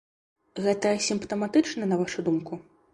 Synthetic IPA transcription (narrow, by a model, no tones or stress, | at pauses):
ɣɛt̪ɐsʲimpt̪ɐmat̪ɨt͡ʂnɐnɐvaʂud̪umku